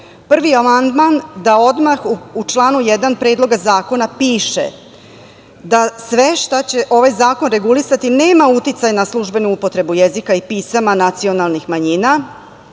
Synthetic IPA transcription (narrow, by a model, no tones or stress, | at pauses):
pr̩ʋiamand̪mand̪ao̞d̪maxuut͡ʃlˠaːnujed̪anpɾe̞ːd̪lˠo̞ɡazaːko̞napiːʃe̞̰ | d̪asʋe̞ʃt̪at͡ɕe̞ʔo̞ʋajzaːko̞nɾe̞ɡulisat̪ine̞ːmaut̪it̪sajnaslˠuʒbe̞nuupo̞t̪ɾe̞bujezikaipiːsamanat̪sio̞nalˠnixmaɲina